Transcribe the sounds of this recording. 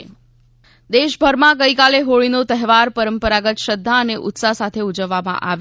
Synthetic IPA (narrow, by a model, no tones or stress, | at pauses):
d̪eʃbʱəɾmãɡəjkaleɦoɭinot̪əɦʋaɾpəɾəmpəɾaɡət̪ʃəd̪ʱːaəneʔʊ̰t̪sasat̪ʰeud͡ʒəʋːamã̰ʔaʋ